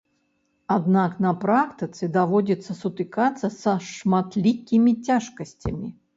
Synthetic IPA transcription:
ad̪naknɐpɾakt̪ɨt̪sɨd̪avɔdʲit̪sːɐsut̪ɨkat̪sːɐsɐʂmat̪lʲikʲːimʲit͡sʲaʂkɐsʲt͡sʲɐ̰mʲḭ

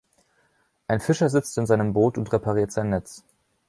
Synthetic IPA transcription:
ʔaɪnfɪʃɐzɪt͡stɪnzaɪnəmboːtʊntʁepaʁ̞iːɐtz̥aɪnːɛt͡s

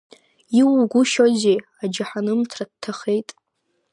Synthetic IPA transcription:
iwɡʷʊʃozead͡ʒaħanɨmtʰradtʰːaχe̞jtʼ

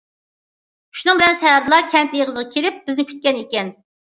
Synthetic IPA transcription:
ʃunɨŋbɪlɛnʃɛjɑɾd̪ɨlˠɑkʲʰɛnt̪ɪjʁəzʁɑkʲʰeɾɪp̚bɪznɪkʲʰy̥t̪̚kʲɛnekʲɛn

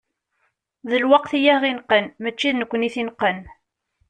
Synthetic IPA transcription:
ðəlwɑqθijæʁinqənmət͡ʃːiðnəkʷːəniθinqən

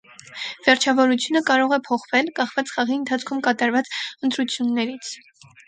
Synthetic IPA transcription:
vɛɾt͡ʃʰɑvɔɾut͡sʰjunəkɑɾɔʁɛpʰɔχvɛlkɑχvɑt͡sχɑʁiənt̪ʰɑt͡sʰkʰumkɑt̪ɑɾvɑt͡sənt̪ɾut͡sʰjunːɛɾit͡sʰ

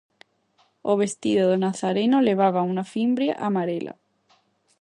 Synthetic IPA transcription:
oβ̞est̪iðoðonaθaɾenoleβ̞aβaunafimbɾja̰ʔamaɾelʔa̰

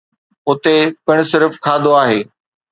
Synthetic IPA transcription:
ʊt̪epɪɽ̃ʊsɪɾfkʰaːd̪oaːɦeː

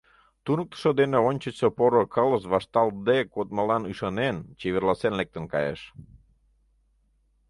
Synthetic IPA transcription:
t̪unək̚t̪ə̥ʃəd̪eneonʲt͡ɕət͡ɕsepoɾokələʃβɑʃt̪ɑld̪ekot̪̚məlɑnyʃɑnent͡ɕeβerlɑsenlek̚t̪ənkɑ̰jḛʃ

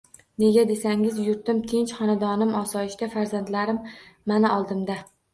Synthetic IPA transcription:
ne̞ɡʲad̪e̞saŋɪzjʊɾt̪ɪmt̪ʰɪnt͡ʃχɒnad̪ɒnɪmɒsɒjɪʃt̪afaɾzand̪laɾɪmːanaɒlˠd̪ɪmd̪a

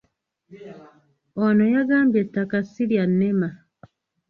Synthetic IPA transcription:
onojaɡaːmbje̞tːakasːiljanːema

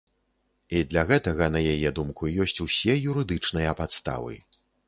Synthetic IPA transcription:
id̪lʲɐɣɛt̪ɐɣɐnɐjajɛd̪umkujɔsʲt͡sʲusʲɛjuɾɨd̪ɨt͡ʂnɨjɐpat̪st̪a̰vɨ̰

